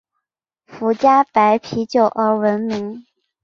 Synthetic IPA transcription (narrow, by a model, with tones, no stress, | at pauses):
fu˧˥t͡ɕja˥pa˧˥ɪpʰi˧˥t͡ɕjo˥˨˩ʊʔə˞˧˥wə˧˥nmi˧˥ŋ